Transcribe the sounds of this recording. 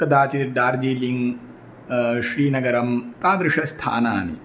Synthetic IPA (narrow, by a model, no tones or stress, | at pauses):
kɐd̪aːt͡ʃiɾɖ̪aːɾd͡ʒiːliŋɡ | ʃɾiːnɐɡɐɾɐmt̪aːd̪ɾɪʂɐst̪ʰa̰ːna̰ːnḭ